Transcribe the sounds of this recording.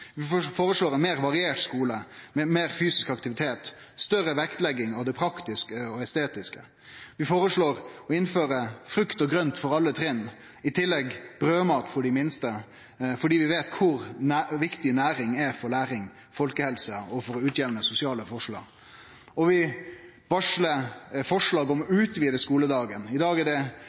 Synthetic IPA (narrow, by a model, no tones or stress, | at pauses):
ʋɪfoːɾəʂloːɾɛnmeːɾʋɑɾɪeːʈskuːləmɛmeːɾfyːsɪskɑkt̪ɪʋɪt̪ʰeːt̪ | st̪œɾəʋɛkt̪lɛɡːɪŋɑʋd̪ɛpʰɾɑkt̪ɪskəɔɛst̪eːt̪ɪskə̰ | ʋɪfoːɾəʂɭoːɾɔɪnføːɾəfɾʉkt̪ɔɡɾœnt̪fɔɾɑlːət̪ʰɾɪnː | ɪt̪ʰɪlːɛɡb̥ɾøːmɑːt̪fɔɖɪmɪnst̪ə | fɔɖiːʋɪʋeːt̪kʰʊɾnæʋɪkt̪ɪnæːɾɪŋɛfɔɾlæːɾɪŋ | fɔlkəhɛlsəɔfɔɾʉːt̪jɛʋnəsʊsɪɑːləfɔʂɭɑ̰ːɡ | ɔʋɪ | bɑʂləfɔʂlɑːɡɔmʉːt̪ʋiːd̪ɛskuːləd̪ɑːɡənɪd̪ɑːɡɛdɛ